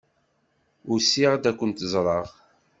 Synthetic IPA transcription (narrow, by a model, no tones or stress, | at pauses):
ʊɾsiʁd̪ækʷːənt̪əzˤɾˤɑʁ